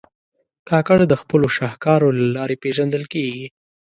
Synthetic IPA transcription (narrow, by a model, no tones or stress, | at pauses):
kɑkaɽd̪əxpəloʃɑhkɑɾolalɑɾepeʒand̪əlkeɡi